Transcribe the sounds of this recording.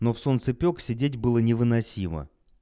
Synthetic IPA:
no̞fso̞nt̪sɨpʲo̞ksʲɪdʲetʲbɨlˠənʲɪvɨnɐsʲimə̰

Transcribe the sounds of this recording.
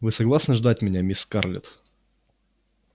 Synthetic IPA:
vɨsɐɡlˠasnəʐd̪atʲmʲɪnʲamʲiska̰rlʲɪ̰t̪

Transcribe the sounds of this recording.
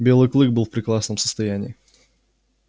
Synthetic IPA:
bʲe̞lˠɨjklˠɨɡ̚bɨlˠfpɾʲɪkɾˠasnəmsə̥st̪ɐjænʲɪː

